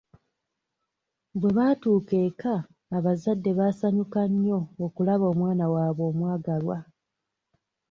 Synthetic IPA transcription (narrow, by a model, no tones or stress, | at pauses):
bwe̞βaːtuːke̞ːkaː | βazadːe̞βaːsaɲukaɲːo̞ːkulaβo̞ːmwaːnawaːβo̞ːmwaːɡalwa